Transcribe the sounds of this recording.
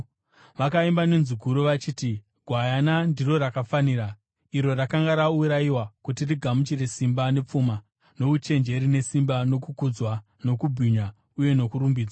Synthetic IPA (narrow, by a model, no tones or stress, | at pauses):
ʋakaimbanenzuɡʱuɾoʋat͡ʃiːti | ɡʱwajanandiro̞rakafaniɾa | iɾo̞rakaŋɡaɾauɾajiwakutiriɡʱamut͡ʃire̞simbane̞p͡fuma | no̞ut͡ʃe̞nd͡ʒe̞ɾine̞simbano̞kukud͡zwa | no̞kubʱiɲa | uje̞no̞kuɾumbiːd͡zaa